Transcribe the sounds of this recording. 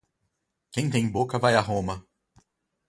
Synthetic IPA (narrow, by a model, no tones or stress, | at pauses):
kẽj̃t̪ẽj̃bokɐvajaɦõmɐ